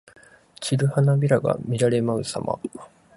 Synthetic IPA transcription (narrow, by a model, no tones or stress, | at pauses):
t͡ɕiɾɯ̟hanabʲiɾaɡa̰mʲiɾaɾe̞maɯ̟sa̰ma̰